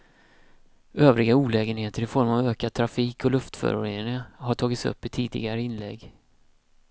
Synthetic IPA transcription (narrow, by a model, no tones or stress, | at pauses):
øːvɾɪɡauːlɛːɡənheːt̪əɾɪfɔɾmavøːkad̪̚t̪ʰɾafiːkʰɔlɵft̪fœ̰ɾʊ̰ɾeːnɾɪŋaɦaʈʰɑːɡɪt̪sɵ̰pːɪt̪ʰiːd̪ɪ̰ɡaɾəɪnlɛɡː